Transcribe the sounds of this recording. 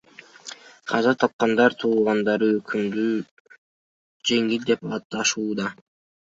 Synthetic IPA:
qʰɑzɑt̪ʰɑp̚qɑnd̪ɑɾt̪ʰuːlˠʁɑnd̪ɑɾɯøkʰymd̪y | d͡ʒe̞ŋilʲd̪e̞pɑːt̪ːɑʃuːd̪ɑ

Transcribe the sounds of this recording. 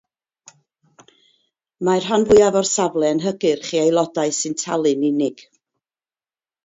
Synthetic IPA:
mar̥ɦanvʊɨavɔrsavlˠɛənɦəɡɨrχiːajlˠɔdaɨsɨntʰalˠɨnɪnɪɡ̥

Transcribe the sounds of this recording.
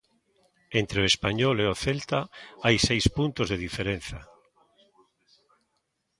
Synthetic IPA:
ent̪ɾeoespaɲoleoθelt̪aajsejspunt̪ozðeðifeɾẽn̟θa

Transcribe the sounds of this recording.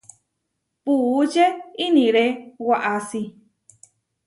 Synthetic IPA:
put͡ʃeinĩɾewaʔasi

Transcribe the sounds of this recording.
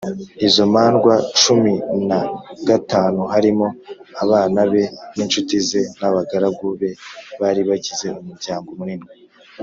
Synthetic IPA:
izo̞maːnɡwat͡ʃuminaɡataːnuhaɾimo̞aβaːnaβe̞niːnt͡ʃutize̞naβaɡaɾab̚ɡuβe̞βaɾiβaɟize̞umuɾɟaːŋɡo̞muɾinɡwe

